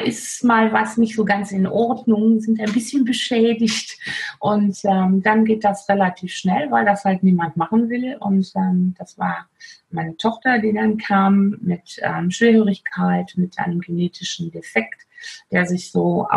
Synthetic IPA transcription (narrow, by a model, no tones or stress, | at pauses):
ʔɪsmaːlvasnɪçtz̥oːɡant͡sɪnʔɔɐdnʊŋzɪntaɪnbɪsçənbəʃɛːdɪçtʔʊntʔɛːmdanɡeːt̚d̥asʁelatʰiːfʃnɛlvaɪldashaltniːmantmaχn̩vɪlʔʊ̰ntʔɛːmd̥asv̥aːɐmaɪnətʰɔχtɐdiːdankʰaːmːɪtʔɛ̰ːmʃv̥eːɐhøːʁɪçkʰaɪtmɪtʔa̰ɪnəmɡeneːtʰɪʃn̩defɛkt | d̥eːɐzɪçz̥o̰ː